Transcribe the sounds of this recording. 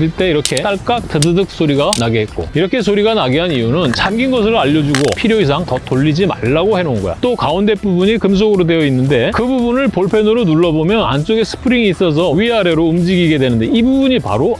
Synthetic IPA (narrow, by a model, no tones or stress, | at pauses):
iɭt͈e̞iɾʌkʰe̞t͈aɭk͈ak̚t͈ʰɯdɯdɯk̚s͈oɾiɡanaɡeɦe̞tt̚k͈o̰iɾʌkʰe̞s̬ʰoɾiɡanaɡiɦanijunɯnt͡ɕamɡinɡʌs̬ʰɯɾɯaʎːʌd͡ʑuɡo̰pʰiɾjois̬ʰaŋtʌt͈oʎːid͡ʑima̰ɭːaɡohe̞nonɡʌ̰jo̰t͈okaunde̞p͈ubuɲikɯms̬ʰoɡɯɾode̞jʌinːɯnde̞kɯbubunɯɭpoɭpʰe̞nɯɾonuɭːʌbomjʌna̰nt͡ɕ͈oɡesʰɯ̥pʰɯɾiŋiːs͈ʌs̬ʰʌɥiaɾe̞ɾoumd͡ʑiɡiɡe̞dwe̞nɯnde̞ibubuɲipa̰ɾo